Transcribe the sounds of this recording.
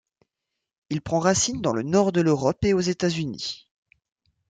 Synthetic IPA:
ilpχɑ̃ʁasind̪ɑ̃lənɔʁd̪əløʁɔpeozet̪azynḭ

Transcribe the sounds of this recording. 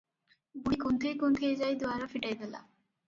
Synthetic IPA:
buɽikont̪ʰejkont̪ʰed͡ʑajd̪uaɾofiʈajd̪ela̰

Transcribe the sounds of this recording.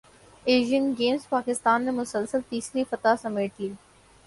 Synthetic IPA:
eːʒiənɡeːmspaːkɪst̪aːnːemʊsəlsəlt̪iːsɾifɐt̪asɐmeːʈliː

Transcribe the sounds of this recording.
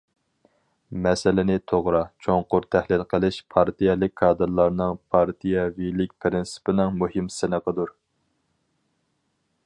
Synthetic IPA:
mɛsɪlɪnɪt̪ʰoʁɾɑt͡ʃʰoŋqʊɾt̪ʰæhlɪlˠqʰəlˠɪʃpʰɑɾt̪ʰijɛlɪk̚ʲkʰːɑːd̪ɨɾlˠɑɾnɨŋpʰɑɾt̪ʰijɛvilɪkʲpʰɪɾɪnsɪ̥pɪnɪŋmuhɪmsɪnəqəd̪uɾ

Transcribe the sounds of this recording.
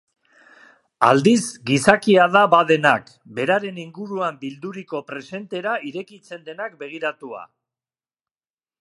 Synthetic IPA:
a̰ld̪izɡisakiaðaβaðe̞nak | be̞ɾaɾe̞niŋɡuɾuambild̪uɾiko̞pɾe̞se̞nt̪e̞ɾaiɾe̞kit͡se̞nd̪e̞nak̚be̞ɣ̞iɾat̪ua̰

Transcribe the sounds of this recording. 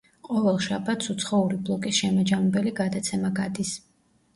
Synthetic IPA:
qʼɔvɛlˠʃa̰bat̪sut̪sʰχɔuɾiblˠɔkʼisʃɛmad͡ʒamɛbɛliɡad̪at̪sʰɛmaɡad̪is

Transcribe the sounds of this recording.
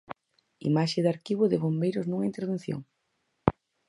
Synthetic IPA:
ḭmaʃɪðaɾkiβ̞ʊðɪβombejɾʊznuŋɐint̪eɾβ̞ẽn̟θjo̰ŋ

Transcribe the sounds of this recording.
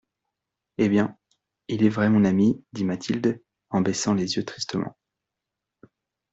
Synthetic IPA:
ebjɛ̃ | ilɛvʁɛmɔ̃namid̪imat̪ʰild̪ | ɑ̃besɑ̃lezjøt̪χist̪əmɑ̰̃

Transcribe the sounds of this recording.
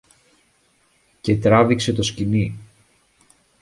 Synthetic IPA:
ce̞t̪ɾɐvikse̞t̪o̞scini

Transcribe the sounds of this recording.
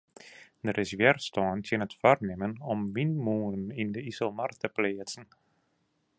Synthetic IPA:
dəɾɪsʋɛrstɔːntənətfarnɪmənɔmʋinmuːənindəisəlˠmartəpleːətt͡sən̩

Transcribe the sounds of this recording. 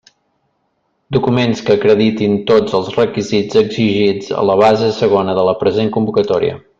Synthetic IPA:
d̪ukumenskəːkɾəðit̪int̪od͡zəlˠzrəkizid͡zəɡziʒid͡zə̰ləβ̞azəsəɣ̞onəðələpɾəzeŋkumbukət̪ɔɾiə̰

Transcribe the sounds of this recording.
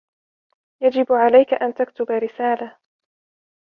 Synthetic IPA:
jad͡ʒɪbʕalajkaʔant̪akt̪ʊbaɾɪsaːla

